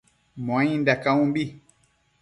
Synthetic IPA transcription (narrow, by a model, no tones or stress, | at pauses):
mãɲĩndakaũmbi